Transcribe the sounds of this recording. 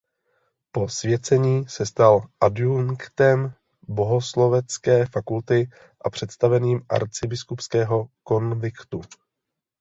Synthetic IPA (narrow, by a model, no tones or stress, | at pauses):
po̞svjɛt͡sɛɲiːsɛst̪alʔaduŋkt̪ɛm | bo̞ɦo̞slo̞vɛt͡skɛːfakult̪ɪ | ʔapr̝̥ɛt̪st̪avɛniːmʔa̰ɾt͡sɪbɪskupskɛːɦo̞ko̞nvɪkt̪u